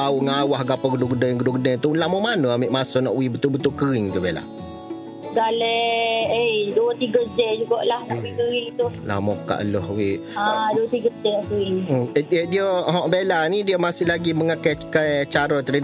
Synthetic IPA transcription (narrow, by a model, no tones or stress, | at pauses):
auŋawahɡapəɡəduɡənəjŋɡədʊɡənət̪ulamomanəamɪʔmasɔnɔʔwibət̪ubət̪ʊkəɾɪŋd͡ʒəbela̰ | ɡalɛejduət̪iɡəd͡ʒɛd͡ʒuɡaʔlahnɔ̰ʔwikəɾɪŋt̪ula̰hmoka̰ʔəlɔhwiʔaduət̪iɡəd͡ʒɛuwidədiəɦɔ̃ʔbelanidiəmasɪhlaɡiməŋakakajt͡ʃaɾɔt̪əɾi